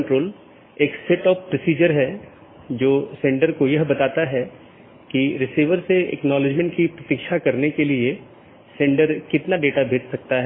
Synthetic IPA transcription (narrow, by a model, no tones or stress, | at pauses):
ɳʈɾoːl | eːkseʈɔːppɾɔsiːd͡ʒəɾɦɛ | d͡ʒoːsẽːɳɖəɾkojɐɦbɐt̪aːt̪aɦɛ | kiɾɪsiːʋəɾseɛ̰knɔːlɪd͡ʒmɛ̃ɳʈkipɾɐt̪iːkʃakɐɾnekelie | sẽːɳɖəɾkɪt̪naɖeːʈabʱeːt͡ʃsɐk̚t̪aɦɛ